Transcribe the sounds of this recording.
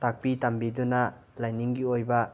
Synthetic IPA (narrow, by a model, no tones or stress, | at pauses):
tak̚pitɐmbidunɐ | lajniŋɡiojbɐ